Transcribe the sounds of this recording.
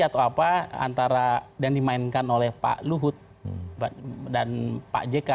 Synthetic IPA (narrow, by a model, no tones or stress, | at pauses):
at̪awapaa̰nt̪aɾadaŋdimainkanolɛhpa̰ʔluɦʊt̪̚ | bdanpa̰ʔd͡ʒeka